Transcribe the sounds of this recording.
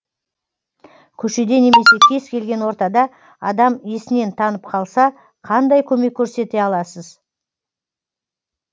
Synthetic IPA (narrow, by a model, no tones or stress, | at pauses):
kʲʰɵʃe̞d̪e̞ne̞me̞se̞kʲʰe̞z̥kʲʰe̞lɡʲe̞nwo̞ɾt̪ɑd̪ɑ | ɑ̰d̪ɑmesɪne̞nt̪ʰɑnəp̚qʰɑlˠsɑ | qʰɑnd̪ɑjkʲʰɵme̞kʲʰːɵɾse̞t̪e̞ɑlˠɑsəz